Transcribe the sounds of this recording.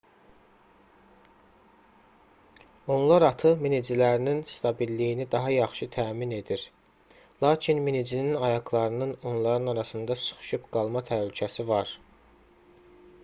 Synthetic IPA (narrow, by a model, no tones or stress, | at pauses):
o̞nlˠɑɾɑt̪ʰɯminid͡ʒilæɾininst̪ʰɑbilːijinid̪ɑɦɑjɑχʃɯt̪ʰæːmine̞d̪iɾ | lˠɑːcʰinminid͡ʒininɑjɑɡlˠɑɾɯnɯno̞nlˠɑɾɯnɑɾɑsɯnd̪ɑsɯ̥χʃɯpɡ̥ɑlˠmɑt̪ʰælycʰæsivɑɾ